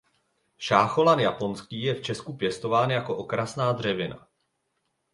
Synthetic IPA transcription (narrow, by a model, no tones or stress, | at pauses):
ʃaːxo̞lanjapo̞nskiːjɛft͡ʃɛskupjɛst̪o̞vaːnjako̞ʔo̞kɾasnaːd̪r̝ɛvɪna̰